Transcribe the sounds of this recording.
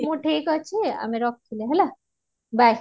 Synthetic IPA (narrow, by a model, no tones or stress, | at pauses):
mũʈʰikɔt͡ʃʰia̰meɾɔk̚t̪ʰileɦɛla | baj